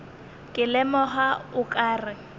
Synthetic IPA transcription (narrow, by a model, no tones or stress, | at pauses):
kʼɪlɛmɔɦaʊkʼaːrɪ